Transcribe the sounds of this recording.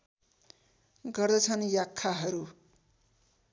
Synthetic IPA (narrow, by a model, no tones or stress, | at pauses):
ɡʌrd̪ʌt͡sʰʌnjakʰːaɦʌɾu